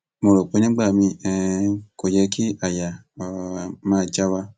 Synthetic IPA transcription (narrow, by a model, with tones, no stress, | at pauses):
mõ˧ɾo˨k͡po˨˦nĩ˦ɡ͡ba˦˨mĩ˧ɛ˧ko˨jɛ˧kʰi˦a˦˨ja˨ | mãː˦˧˦d͡ʒa˦wa˧